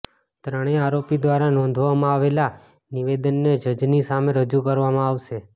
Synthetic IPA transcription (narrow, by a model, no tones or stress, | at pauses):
t̪ɾəɽ̃eaɾopid̪ʋaɾanɔ̃nd̪ʱʋamãaʋela | niʋed̪ənːed͡ʒəd͡ʒnisameɾəd͡ʒukəɾʋamãaʋʃe